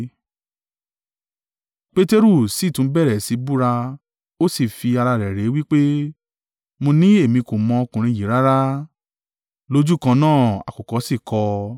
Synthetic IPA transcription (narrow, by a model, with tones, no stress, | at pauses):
k͡pe˦te˦ɾu˦˨si˨˦˨tũ˨˦bɛ˦˨ɾɛ˨si˨˦bu˦ɾa˧ | o˦si˦˨fi˧a˧ɾa˧ɾɛ˨ɾe˨˦wi˦k͡pe˦ | mo˧nĩ˦e˦˨mĩ˧ko˨mɔ̃˧o˧kũ˨ɾ̃ĩ˧ji˨˦ɾa˦ɾa˦ | lo˦d͡ʒu˦˨kã˧nãː˦˨a̰˨kɔ˨kɔ˨˦si˦˨kɔ˧